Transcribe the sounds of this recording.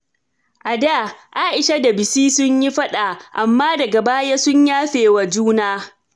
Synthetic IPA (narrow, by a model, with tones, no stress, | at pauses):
ʔa˨daː˦˨ʔa˦ʔɪ˨ʃa˦da˨bɪ˨siː˦sʊ˦ɲji˦ɸɐ˦ɗa˨ʔa˨mːaː˦dɐ˨ɡa˨baː˦ja˦sʊ˦ɲjaː˦ɸeː˨wa˨d͡ʒuː˦naː˦